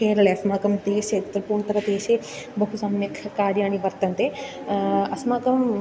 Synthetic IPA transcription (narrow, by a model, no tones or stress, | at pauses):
eːɾɐleɐsmaːkɐmd̪eːʃet̪ːɾɐpuːɳt̪ɐɾɐd̪eːʃe | bɐɦusamɐkʰkaːɾjaːñiʋɐɾt̪ɐnt̪e | ɐsmaːkɐm